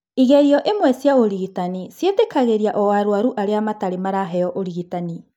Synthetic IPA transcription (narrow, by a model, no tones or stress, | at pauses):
iɣɛɾiɔʔemwɛsjaoɾiɣitanisjetekaɣeɾiaʔɔwaɾwaɾuʔaɾeamataɾemaɾaɦɛɔʔoɾiɣitani